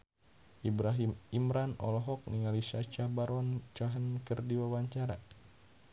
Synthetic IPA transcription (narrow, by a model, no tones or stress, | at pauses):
ʔibɾaɦimimɾanɔ̰lɔɦɔk̚niŋalisat͡ʃabaɾɔnt͡ʃaɦənkɨrdiwawaɲt͡ʃaɾa